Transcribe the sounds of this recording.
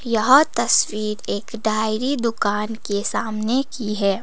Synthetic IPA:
jɐɦt̪ɐswiːɾeːkɖʱaːɪɾid̪ʊkaːnkesaːmnekiɦɛː

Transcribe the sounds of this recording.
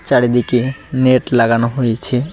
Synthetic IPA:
t͡ɕaɽed̪ikeneʈlaɡanoɦojet͡ɕʰe

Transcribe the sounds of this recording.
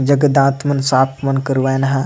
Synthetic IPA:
d͡ʒɐɡəd̪ãːt̪mɐnsaːpʰmɐnkəɾʋajnɦã

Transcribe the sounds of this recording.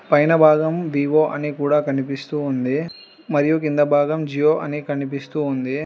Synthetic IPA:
pɐjnɐbʱaːɡɐmʋiːʋoːʔɐnikuːɽaːkɐnipist̪uːnd̪i | mɐɾijukind̪ɐbʱaːɡɐmd͡ʒijoːʔɐnikɐnipist̪uːnd̪i

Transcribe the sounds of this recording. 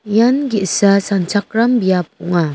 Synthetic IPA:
janɡiʔsasant͡ʃʰak̚ɾambijap̚ɔŋa

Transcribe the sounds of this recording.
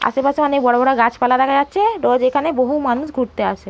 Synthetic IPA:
a̰ʃepaʃeanekbɔɽabɔɽaɡat͡ɕʰpalaɾakʰad͡ʑatːʃʰeɖɔd͡ʑekʰaneboɦumanuʃɡʱuɽt̪eaʃʰe

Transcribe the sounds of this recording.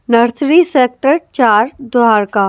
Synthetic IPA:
nɐɾt̪ʰɾiseːk̚ʈəɾt͡ʃaːɾd̪aːɾkaː

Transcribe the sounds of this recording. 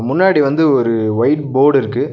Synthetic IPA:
mʊnːaːɽiʋɐnd̪ɯɔɾɯʋɐɪʈ̚boːɽɪɾɯkːɯ

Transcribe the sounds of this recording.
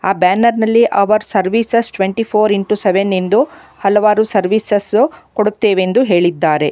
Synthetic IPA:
aːbaːnɐɾnɐlːiʔɐʋɐɾsɐɾʋiːsɐsʈʋeɳʈipʰoːɾiɳʈuseʋenend̪u | hɐlɐʋaːɾusɐɾʋiːsɐsukoɽut̪ːeːʋeend̪uɦe̞ːɭid̪ːaːɾe̞

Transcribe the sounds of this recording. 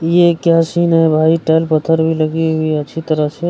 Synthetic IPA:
jekjasinɦɛbʱaiʈɛjlpət̪ʰːəɾbʱiləɡiɦɦuiəːt͡ʃʰit̪əɾəɦse

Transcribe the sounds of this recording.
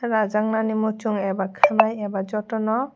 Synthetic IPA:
ɾad͡ʒaŋnanimut͡ʃuŋɛbakʰɯnajɛbad͡ʒɔtɔnɔ

